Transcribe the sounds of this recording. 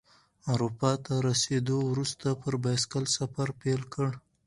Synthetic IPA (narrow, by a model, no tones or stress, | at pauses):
aɾupɑt̪aɾased̪owɾust̪apəɾbaskalsafaɾpelkəɽ